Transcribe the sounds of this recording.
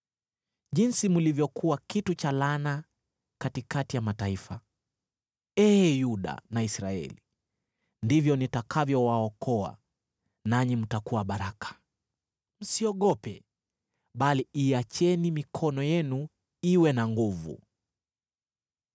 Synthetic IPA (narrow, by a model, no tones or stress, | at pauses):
ʄinsimulivjɔkuwakitut͡ʃalana | katikatijamataifa | ɛːjuɗa̰naisɾaɛ̰li | ndivjɔnitakʰavjɔwaɔkʰɔa̰ | naɲim̩takuwaɓaɾakʰḁ | m̩siɔɠɔpɛ | ɓaliiat͡ʃɛnimikʰɔnɔjɛnu | iwɛnaŋɡuvṵ